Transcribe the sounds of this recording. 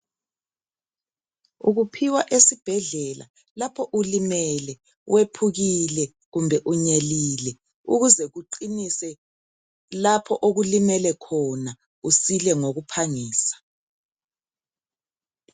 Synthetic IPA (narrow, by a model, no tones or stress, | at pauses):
ṵɣupʰiwaʔesib̥ʱɛɮɛla̰ | lapʰɔʔulimɛlɛ | wʔepʰuɣilɛ | ɣumbʱɛʔuɲeliːlɛ | uɣuzɛɣuǃinisɛ | lapʰɔʔoɣulimɛlɛkʰɔna | usilɛŋoɣupʰaŋiːsḁ